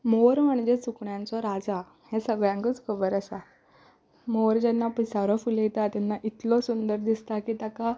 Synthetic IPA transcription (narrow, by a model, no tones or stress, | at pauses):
moɾm̤əɳd͡zet͡sukɳjãnt͡sɔɾad͡za | hesəɡɭjãŋkət͡skʰəbəɾəsa | moɾd͡ʑɛnːapisaɾɔfuljet̪at̪janːaʔit̪lɔsund̪əɾd̪ist̪akiːt̪aka